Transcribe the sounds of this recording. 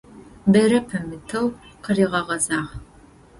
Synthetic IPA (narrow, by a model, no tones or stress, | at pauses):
bɐɾɐpʰɐmɨtʰɐwqəriːʁɐʁɐzaːʁ